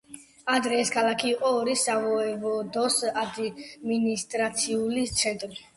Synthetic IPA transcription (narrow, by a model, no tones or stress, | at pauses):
ad̪ɾɛːskʰalˠakʰiːqʼɔːɾisavɔɛvɔd̪ɔsad̪minist̪ʼɾat̪sʰiulit̪sʰɛnt̪ʼɾi